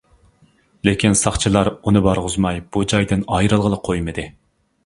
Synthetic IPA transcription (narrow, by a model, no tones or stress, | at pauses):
lɪkʲinsɑχt͡ʃʰilˠɑɾunɨbɑɾʁʊzmɑjb̥ud͡ʒɑjd̪ɪnɑjɾɨlˠʁəlˠəqʰojmɨd̪ɨ